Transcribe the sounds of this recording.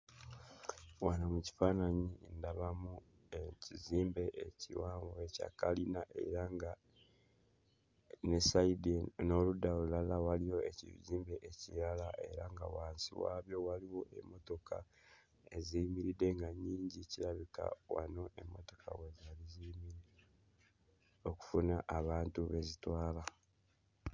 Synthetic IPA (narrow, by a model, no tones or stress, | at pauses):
wanomuci̥fanaɲindaβamu | eciziːmbe̞eciwaːŋɡoeca̰kalinaʔḛɾaŋɡa | nesaideno̞ludalulalawalijo̞ecḭziːmbeʔecijalaʔe̞̰ɾaŋɡa̰waːnsḭwa̰ːβjo̞waliwo̞ʔḛmːo̞to̞kʰa̰ | e̞zimiɾide̞ŋɡaɲːiːɲɟiciɾaβika̰wa̰no̞ʔemːoto̞ka̰we̞zalizimiɾi | oku̥funaʔːβaːntuβe̞zitwaːla